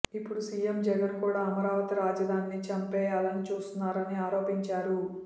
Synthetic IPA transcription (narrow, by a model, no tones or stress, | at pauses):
ipːuɽusijemd͡ʒɐɡɐnkuːɽaːɐmɐɾaːʋɐt̪iɾaːd͡ʒɐd̪ʱaːnːit͡ʃɐmpɛːjaːlɐnit͡ʃuːst̪unːaːɾɐniaːɾo̞ːpiɲt͡ʃaːɾu